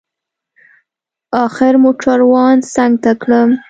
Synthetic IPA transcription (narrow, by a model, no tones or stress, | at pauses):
ɑxɪɾmoʈ͡ʂaɾwɑnsaŋɡ̚t̪akɽəm